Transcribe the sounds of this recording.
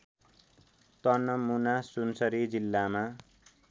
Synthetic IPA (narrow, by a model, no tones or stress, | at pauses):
t̪ʌnʌmunasunsʌɾid͡zilːama